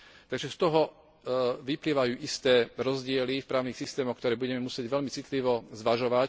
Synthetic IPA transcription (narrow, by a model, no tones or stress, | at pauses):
t̪aɡʒɛst̪ɔɦɔ | ʋipliʋajuːʔist̪ɛːɾɔzɟɪɛlifpɾaːʊnixsist̪ɛːmɔxkt̪ɔɾɛːbuɟɛmɛmusɪɛɟʋɛlmit͡sit̪liʋɔzʋaʒɔʋac